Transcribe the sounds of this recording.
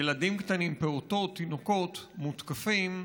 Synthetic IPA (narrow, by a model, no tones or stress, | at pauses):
jelad̪imkt̪animpeot̪o̞t̪ːinoko̞t̪mut̪kafim